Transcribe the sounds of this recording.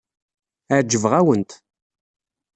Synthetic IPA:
aʕd͡ʒːəvʁæwənt̪

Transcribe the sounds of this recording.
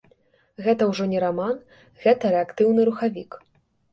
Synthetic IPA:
ɣɛt̪ɐwʐɔnʲɛɾaman | ɣɛt̪ɐɾɛakt̪ɨwnɨɾuxavʲik

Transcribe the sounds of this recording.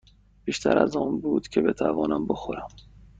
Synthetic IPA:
b̥iːʃt̪ʰæɾæzɒːnbuːd̪̥cʰe̞be̞t̪ʰævɒːnæmbo̞xoɾæm

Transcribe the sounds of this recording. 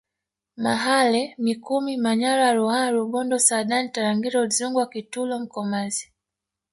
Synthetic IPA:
maɦalɛmikumimaɲaɾaɾuhaɾuɓɔndɔsaɗan̩taɾaŋɡiɾɔzuŋɡwakitulɔm̩kɔmazi̥

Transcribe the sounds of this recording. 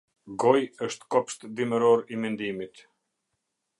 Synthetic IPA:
ɡɔjəʃt̪kɔpʃt̪d̪iməɾɔɾimɛnd̪imit̪

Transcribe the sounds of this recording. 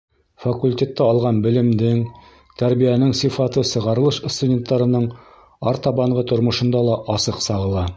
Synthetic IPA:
fɐkulʲtʲe̞t̪ːæɒlˠʁɑnbɘ̆lɘ̆md̪ɘŋ | t̪ʰæɾbijænɘŋsifɑt̪ɤsɤ̆ʁɑɾɤ̆lˠɤʃst̪udʲe̞nt̪ːɑɾɤ̆nɤɴ | ɑɾt̪ɑbɑɴʁɤt̪ŏɾmŏʃɤ̆nd̪ɑlˠɑʔɑsɤqsɑʁɤ̆lˠɑ

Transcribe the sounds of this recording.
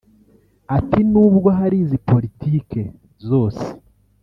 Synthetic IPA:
atinuːbɡoɦaɾiːzipo̞ɾitiːke̞ | zo̞ːse̥

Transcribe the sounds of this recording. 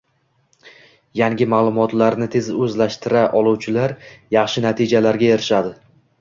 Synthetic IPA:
jaŋʲɪmaːlˠʊmɒt̪laɾnɪt̪ʰe̞zɵzlaʃt̪ɪɾaʔɒlˠuwt͡ʃʰɪlaɾjɑχʃɪnat̪ʰid͡ʒalaɾɡʲaeɾɪʃad̪ɪ

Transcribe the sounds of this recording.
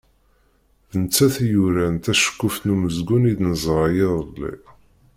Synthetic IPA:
ðənt͡sːæθjuɾænt̪æʃə̥kːʊfnuməzɡunid̪nəzˤɾɑjeðˤlḭ

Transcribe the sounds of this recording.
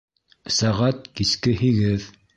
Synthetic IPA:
sæʁat̪̚kiskɘhiɡɘð

